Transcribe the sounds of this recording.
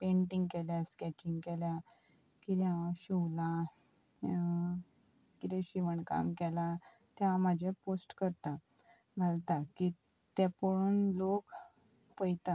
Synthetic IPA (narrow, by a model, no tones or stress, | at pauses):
peɳʈiŋɡkeljaskɛt͡ɕiŋɡkelja | kiɾjaɕuwlã | kit̪ẽɕiʋəɳka̰mkɛla | t̪jaãmad͡ʑʱjaposʈkəɾt̪a | ɡʱalt̪aki | t̪ɛpoɽuːnlok | pəjt̪a